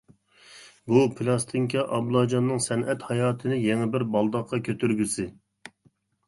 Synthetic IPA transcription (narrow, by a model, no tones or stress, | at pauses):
bupʰɨlˠɑst̪ʰiŋkʰʲɑʔɑblˠɑd͡ʒɑnːɨŋsɛnʔɛt̪hɑjɑːt̪ʰɨnɪjeŋɪbɪɾbɑlˠd̪ɑqʰːɑkʲʰøt̪ʰyɾɡʲysɪ